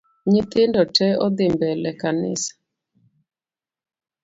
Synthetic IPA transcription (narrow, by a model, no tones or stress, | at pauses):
ɲɪt̪ɪndɔtʰɛɔd̪ɪmbɛlɛkanɪ̰sḁ